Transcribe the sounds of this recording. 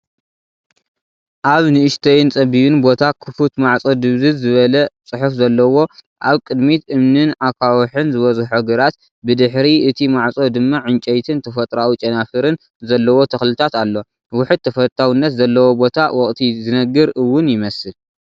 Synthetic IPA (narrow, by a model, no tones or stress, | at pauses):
ʔaβnɨʔɨʃt̪ʰɐjnt͡sʼɐbiβɨnbo̞t̪ʰakʰɨfut̪maʕt͡sʼo̞d̪ɨβzɨzɨβɐlɐt͡sʼɨħufzɐlːɐwo̞ | ʔaβkʼɨd̪mit̪ʔɨmnɨnakʰawɔħɨnzɨβɐzħoɡɨɾat̪ | bɨd̪ɨħɾiɨt̪ʰimaʕt͡sʼo̞d̪ɨmːaʕɨnt͡ʃʼɛjt̪ʰɨnt̪ʰɐfɐt̪ʼɾawit͡ʃʼɐnafɨɾɨn | zɐlːɐwo̞t̪ʰɐxlɨt̪ʰat̪alːo̞ | wʊħɨd̪̚t̪ʰɐfɐt̪ʰawinːɐt̪zɐlːɐwo̞bo̞t̪ʰawɔkʼt̪ʰizɨnɐɡɨɾɨwːʊnjɪmɐsɨl